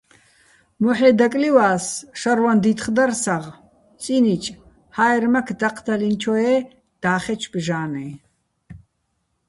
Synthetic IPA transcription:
mɔħɛːd̪akʼliwaːsʃaɾwand̪it̪χd̪arsaʁ | t͡sʼinit͡ʃʼ | haːjɾmakʰd̪aqʰd̪alint͡ʃʰɔɛː | d̪̥aːχɛt͡ʃʰbʒaːnɛ

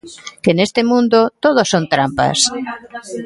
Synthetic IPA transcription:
kenest̪ɪmũnd̪ʊt̪oð̞osont̪ɾampa̰s

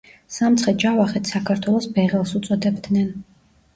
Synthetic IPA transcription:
samt̪sʰχɛd͡ʒavaχɛt̪ʰsakʰaɾt̪ʰwɛlˠɔsbɛʁɛlˠsut̪sʼɔd̪ɛbd̪nɛn

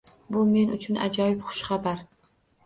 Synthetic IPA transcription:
bʊme̞nʊt͡ʃʰʊna̰d͡ʒɒjɪpχʊ̥ʃχɑbaɾ

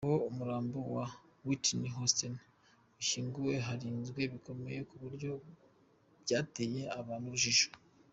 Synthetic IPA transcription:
houmuɾaːmbowawitniɦostin | uʃiːŋɡuwe̞ɦaɾiːnzɡwe̞βiko̞me̞je̞kuβuɾjo̞ | bjaːteje̞aβaːnuβuʒiʒo̥

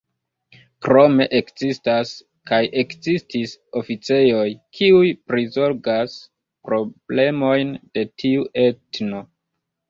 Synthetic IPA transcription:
kɾo̞me̞ʔekzistas | kajʔe̞kzistiso̞fit͡se̞jo̞jkʰiujpɾizo̞ɾɡas | pɾo̞b̥le̞mo̞jnd̥e̞tʰiuʔe̞tno̞

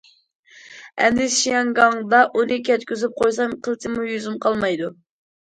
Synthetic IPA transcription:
ɛ̰nd̪ɪsʃijɑŋɡɑŋd̪ɑʔunɨkʲɛt̪kʲyzyp̚qʰojsɑmqʰəlˠt̪ʰɪmujyzymqʰɑlˠmɑjd̪u

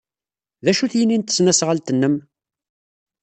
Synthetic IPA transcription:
ðæʃuθjənːint̪ə̥snæsʁəlt̪ənːəm

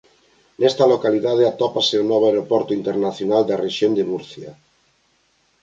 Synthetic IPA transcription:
nest̪alokaliðaðeat̪opasenoβoaeɾopoɾt̪uint̪eɾnaθjonald̪areʃjond̪emuɾθja̰

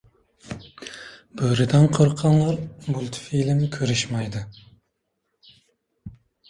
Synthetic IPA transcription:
b̥ɵɾɪd̪ænqʰɨɾqʰːɑnlˠɑɾmulʲˠt̪filɪmkʲʰøɾɪʃmɑjd̪ɪ

